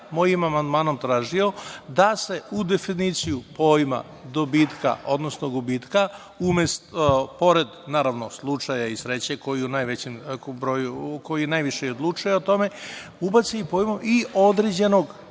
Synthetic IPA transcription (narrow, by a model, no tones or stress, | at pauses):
mo̞jimamand̪maːno̞mt̪ɾaːʒio̞d̪ase̞ud̪e̞finit̪sijupo̞ːjma̰ | d̪obiːt̪ka̰o̞d̪no̞snoɡubiːt̪ka | umest̪po̞ɾe̞d̪naːɾaʋno̞slˠut͡ʂajaisɾeːt͡ɕeko̞jiunajʋet͡ɕembɾo̞ːjuko̞jinajʋiʃejod̪lˠut͡ʃujeot̪o̞me̞ubat̪siipo̞ːjmuʔio̞d̪ɾed͡ʑe̞no̞ɡ